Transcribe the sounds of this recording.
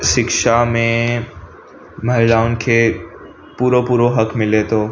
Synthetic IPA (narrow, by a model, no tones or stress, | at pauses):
ʃɪkʃamẽ | mɐɦɪɖaːʊnkʰeː | puːɾopuːɾoɦɐkʰmɪlet̪ʰoː